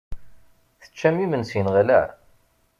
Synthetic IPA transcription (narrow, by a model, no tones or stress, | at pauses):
θə̥t͡ʃːæmimənsinʁælæʕ